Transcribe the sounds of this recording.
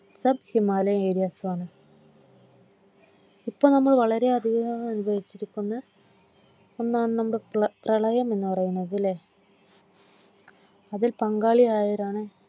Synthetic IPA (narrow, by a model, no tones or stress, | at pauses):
sɐb̚himaːlɐeːɾijaːsuʋaːɳɨ | ipːoːnɐmːɐɭʋɐɭɐɾe̞ɐd̪ʱiɣɐɣɐɣɐmɐnubʱɐjit͡ɕːiɾikʲːunːɐ | o̞nːaːɳɨnɐmːɐɭprɐɭɐjɐme̞nːɨpɐrɐjunːɐðilːe | ɐðilpɐŋɡaːɭijaːjɐɾaːɳɨ